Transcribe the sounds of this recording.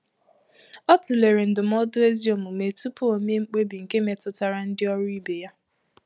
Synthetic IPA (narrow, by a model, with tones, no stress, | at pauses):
ɔ˦tʊ˨le˨ɾe˨n̩˨dʊ˨m̩˦ɔ˦dʊ˦e˦zi˦o˨mʊ˨me˨tu˦pu˦o˨me˦ŋ͡m̩˦k͡pe˦bi˨ŋ̩˨ke˦me˨tʊ˨ta˨ɾa˦n̩˦dɪ˦ɔ˦ɾʊ˦i˦be˨ja˦